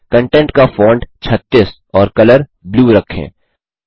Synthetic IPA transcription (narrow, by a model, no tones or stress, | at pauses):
kə̃ɳʈɛ̃ɳʈkafoːɳɖt͡ʃʰɐt̪ːɪs | ɔːɾkɐləɾ | bluːɾɐkʰːḛ̃ː